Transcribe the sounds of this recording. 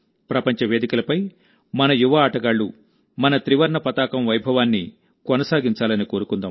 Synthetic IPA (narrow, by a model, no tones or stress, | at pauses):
pɾɐpɐɲt͡ʃɐʋe̞ːd̪ikɐlɐpɐj | mɐnɐjuʋɐaːʈɐɡaːɭːu | mɐnɐt̪ɾiʋɐɾɳɐpɐt̪aːkɐmʋɐjbʱɐʋaːnːi | konɐsaːɡiɲt͡ʃaːlɐniko̞ːɾukund̪aːm